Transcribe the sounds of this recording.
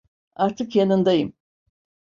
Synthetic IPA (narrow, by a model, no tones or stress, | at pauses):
aɾt̪ʰɨkjenɯnd̪ajɯm